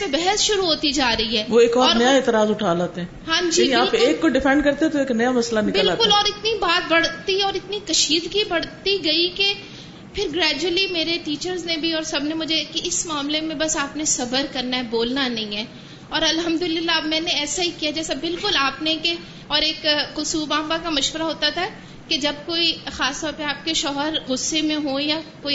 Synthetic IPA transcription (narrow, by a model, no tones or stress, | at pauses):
pẽbɛɦəsʃʊɾuɦoːt̪id͡ʒaːɾɐiɦɛːʋoeːkɔːɾɔːɾnɐjaeːt̪ɪɾaːzʊʈʰaːlaːt̪eɦɛ̃ːɦãːd͡ʒiibaːlpʊeːkːoɖɪfʰɛ̃ɳɖkɐɾt̪ẽɦɛ̃t̪oeːknɐjamɐslanɪkbɪlaːtkʊlɔːɾɪt̪nibaːt̪̚bɐɽt̪iɔːɾɪt̪nikɐʃiːd̪ɡibɐɽ̤t̪iɡɐike | pʰɪɾɡɾɛːd͡ʒuəlimeːɾeʈiːt͡ʃəɾznẽbʱiɔːɾsɐbnẽmʊd͡ʒʱekeɪsmaːmlemẽbɐsaːpnesɐbəɾkɐɾnaɦɛboːlnanɐɦĩɦɛː | ɔːɾɐlɦɐmd̪ʊlɪɪlːabmɛ̃ːneɛːsaɦikijad͡ʒɛːsabɪlkʊlaːpneke | ɔːɾeːkkʊsuːbãːmbakamɐʃʋəɾaɦoːt̪at̪ʰaɛ | ked͡ʒɐb̚koːixaːst̪ɔːɾpeaːp̚keʃɔːɦəɾɣʊsːemẽɦojakoːi